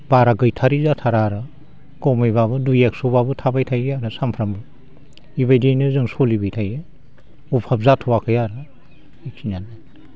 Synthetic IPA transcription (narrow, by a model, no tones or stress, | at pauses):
baɾaɡɯjtʰaɾizatʰaɾaɾɯ | kɔwmɯjβaβɯdujek̚sobabɯtʰabajtʰajaɾɯsampʰɾambɯ | iβajdinɯzɯŋsolibɯjtʰaje | upʰap̚zatʰuwakʰɯjaɾɯ | ik̚sinana